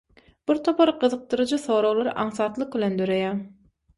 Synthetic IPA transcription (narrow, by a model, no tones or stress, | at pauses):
b̥iɾt̪ʰo̞pʰɑɾqɯðɯq̚d̪ɯɾɯd͡ʒɯθo̞ːɾowlˠɑɾɯʔɑɴθɑːt̪lˠɯq̚bilʲend̪øɾejæ